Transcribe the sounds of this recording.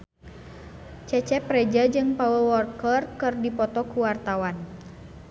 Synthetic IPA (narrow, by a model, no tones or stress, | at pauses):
t͡ʃɛt͡ʃɛpɾɛd͡ʒad͡ʒɨŋpawəlwɔrkərkɨrdipɔt̪ɔkuwart̪awan